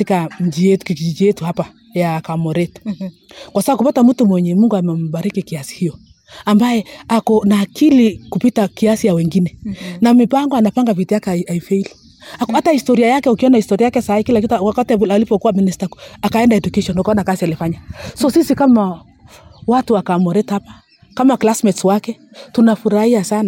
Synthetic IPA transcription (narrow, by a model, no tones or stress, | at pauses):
atikam̩d͡ʒijɛtu̥kid͡ʒid͡ʒijɛtuhapa | jakamɔɾɛt | kwasaakupatamutumwɛɲɛmuŋɡuamɛm̩baɾikikiasi̥hijɔ | ambajɛakɔnaːkilikupitakiasijawɛŋɡinɛnamipaŋɡɔanapaŋɡavitiakaaifɛili | akhatahistɔɾiajakɛukiɔnahistɔɾiajakɛsaikilak̬itkwakatiaalipɔkuwaministaakaɛndaɛdukɛʃɔnukaɔnakasialifaɲasɔsisikama | watuakamɔɾɛtapḁ | kamaklasmɛtswakɛtunafuɾahiasana